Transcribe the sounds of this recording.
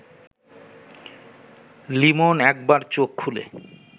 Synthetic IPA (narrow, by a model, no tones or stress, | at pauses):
limonɛk̚baɾt͡ɕokʰːulḛ